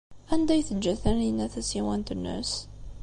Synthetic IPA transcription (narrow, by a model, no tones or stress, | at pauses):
ʔænd̪æjθəd͡ʒːæθæninːæθæsiwænt̪ənːə̰s